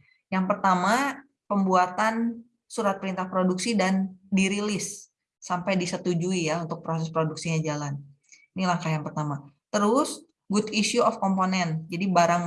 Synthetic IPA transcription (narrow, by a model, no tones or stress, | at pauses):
jaŋpərt̪ama | pəmbuat̪an | suɾat̪̚pəɾint̪ahpɾoduksidandiɾilɪsː | ampajdisət̪ud͡ʒuijaunt̪ʊk̚pɾosɛspɾoduksiɲad͡ʒalan | inilahkajaŋpərt̪amat̪əɾʊs | ɡudiʃuɔfkɔmponɛnd͡ʒadibaɾaŋ